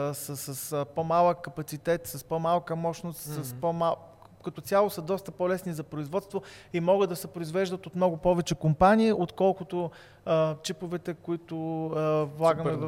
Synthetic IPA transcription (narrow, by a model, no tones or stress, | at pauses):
sɐsɐspomalˠəkːɐpɐt̪sit̪ɛt̪sɐspomalˠkəmɔʃnost̪sɐspoma | kɐt̪ɔt̪sʲjalˠosəd̪ɔst̪əpɔlɛsnizɐpɾoizvɔt̪st̪voimɔɡəd̪ːɐsɛpɾʊizvɛʒd̪ət̪ot̪mnɔɡʊpɔvɛt͡ʃɛkompaniːʔot̪kɔlˠkʊt̪ʊ | ət͡ʃipovɛt̪ɛkʊit̪ʊ | vlˠaɡəmɛ